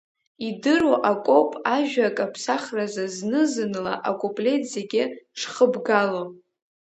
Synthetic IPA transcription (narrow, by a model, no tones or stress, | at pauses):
idɨɾoʔakʷʼo̞pʼaʒᶣakʼapʰsaχrazaznɨzɨnɨla̰ʔakʼopʼle̞tzeɡʲɪʂχəbɡalo